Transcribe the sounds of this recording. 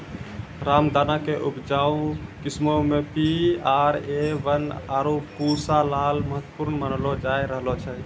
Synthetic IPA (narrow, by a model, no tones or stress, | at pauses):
ɾamd̪anakeʔubd͡ʒaũkismomepiaɾeʋənaːɾopuɾsalalməɦət̪ːwpuɾnmənlod͡ʒajɾəɦlot͡ʃʰɛ